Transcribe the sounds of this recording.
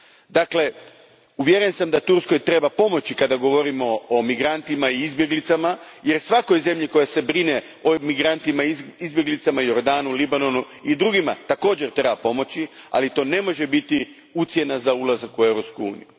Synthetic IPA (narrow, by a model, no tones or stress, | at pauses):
d̪akle̞ | uʋjeɾensamd̪at̪uɾsko̞jt̪ɾe̞bapo̞mo̞t͡ɕikad̪aɡo̞ʋo̞ɾimo̞omiɡɾant̪imaiizbjeɡlit̪samaje̞ɾsʋako̞jze̞mʎiko̞jase̞bɾine̞ | omiɡɾant̪imaizbje̞ɡlit̪samajo̞ɾd̪aːnulibano̞nu | id̪ɾuɡima̰t̪ako̞ːd͡ʑe̞ɾt̪ɾebapo̞mo̞t͡ɕia̰lit̪o̞ːne̞mo̞ʒe̞bit̪i | ut̪sje̞nazaulazakuewɾo̞pskuṵːnḭju